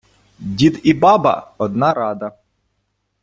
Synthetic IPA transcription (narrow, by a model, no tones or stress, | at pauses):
dʲit̪ibɑbɐ̰ɔd̪nɑɾɑd̪ɐ